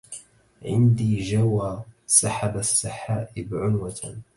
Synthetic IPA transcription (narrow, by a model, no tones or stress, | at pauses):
ʕɪ̰nd̪iːd͡ʒawaːsaħabasːaħaːʔɪbʕʊnwat̪ʰa